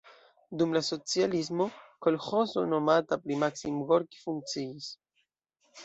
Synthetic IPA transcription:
dumlaso̞t͡sializmo̞ko̞lxo̞zo̞̰no̞matapɾimaksimɡoɾki̥fuŋk̚t͡siis

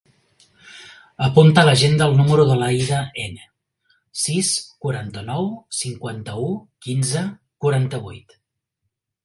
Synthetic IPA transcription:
əpunt̪ələʒend̪əlˠnuməɾuðəlajðəenə | siskuɾant̪ənɔwsiŋkwant̪əukinzə | kuɾant̪əβ̞ujt̪

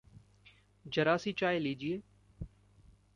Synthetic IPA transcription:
d͡ʒəɾaːsiːt͡ʃaːeliːd͡ʒieː

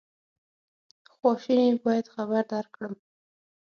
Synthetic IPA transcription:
xwɑʃinebɑjad̪xabaɾd̪ɑɾkɽəm

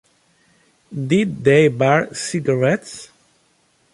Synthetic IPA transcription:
d̪ɪd̪deɪbɛɹsɪɡaɹɛt̪s

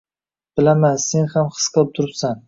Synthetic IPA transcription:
b̥ɪlamanse̞nhamχɨ̥sqʰɨlˠɪp̚t̪ʰʊɾɪpsan

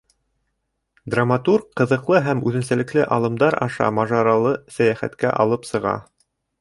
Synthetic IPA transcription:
d̪ramat̪urkqːɤ̆ðɤ̆qlˠɤɦæmʉðɘ̆nsælɘ̆klɘʔɑlˠɤ̆md̪ɑɾɑʃɑ̰mɑʒɑɾɑlˠɤsæjæχæ̰t̪kæ̰ʔɑ̰lˠɤpsɤ̆ʁɑ̰

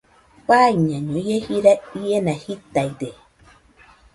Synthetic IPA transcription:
paiɲãɲõjehiɾaienãhit̪aide

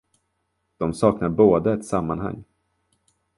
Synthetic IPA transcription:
d̪̥ɔmsɑːknaɾboːd̪əɛt̪samːanɦa̰ŋː

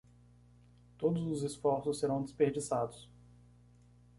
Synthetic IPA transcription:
t̪od̪ʊzʊzesfɔɾsʊsːeɾɐ̃w̃d̪espeɾd͡ʒisad̪ʊs

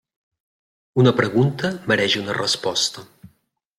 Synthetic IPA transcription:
unəpɾəɣunt̪əməɾɛʒunərəspɔst̪ə

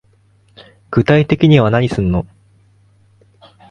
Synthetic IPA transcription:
ɡ̥ɯ̟t̪ait̪e̞kʲiɲ̟iβanaɲ̟isɨ̃nːo̞

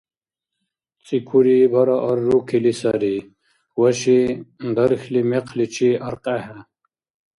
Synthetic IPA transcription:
t͡sikʰuɾibɐɾaʔɐɾːukʰilisaɾi | wɐɕind̪ɐɾxlimeqʰlit͡ɕiɐɾqahɐ

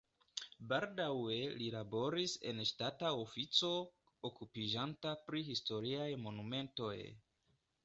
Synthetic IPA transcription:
baldawe̞lilabo̞ɾise̞̰nʃtataofit͡so̞ | okupid͡ʒantapɾiɦisto̞ɾiajmo̞nume̞nto̞̰j

